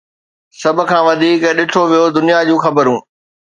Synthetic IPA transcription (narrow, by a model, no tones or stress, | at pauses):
sɐbʱʊ̆kʰãːʋɐd̪ʱiːkɗɪʈʰoʋijod̪ʊnijad͡ʑũːxɐbəɾũː